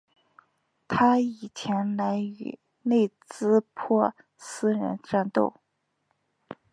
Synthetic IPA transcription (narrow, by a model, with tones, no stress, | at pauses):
t̪ʰa˥i˨˩t͡ɕʰjɛ˧˥nla˧˥ɪy˧˩ | ne˥˧ɪt͡sɹ̩˥pʰɔ˥˩ | sɹ̩˥ɻə̰˧˥nʈ͡ʂa˥˧nt̪o̰˥˧ʊ